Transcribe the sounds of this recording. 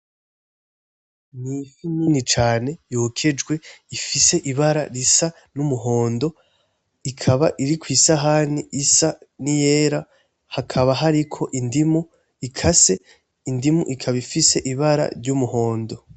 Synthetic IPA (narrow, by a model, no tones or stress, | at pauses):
nifiniːnit͡ʃaːne̞joːkʰe̞d͡ʒɡwe̞ifise̞ʔiβaɾa̰ɾisa | numuɦo̞ːndo̞ | ikʰaβaʔiɾikwiːsaɦaːniʔisanijeːɾa | hakʰaβaɦaɾikʰo̞ʔindimu | ikʰase̞ | indimuʔikʰaβaifise̞ʔiβaɾa̰ɾɟumuɦo̞ːndo̞